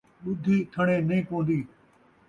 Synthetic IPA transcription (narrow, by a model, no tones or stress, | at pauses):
ɓʊd̪ʱiːt̪ʰəɳẽːnəĩːpõːnd̪iː